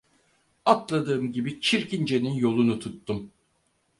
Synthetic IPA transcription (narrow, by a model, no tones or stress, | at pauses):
at̪lˠad̪ɯːmɟibit͡ʃʰiɾcind͡ʒe̞ninjo̞lˠunut̪ʰut̪ːum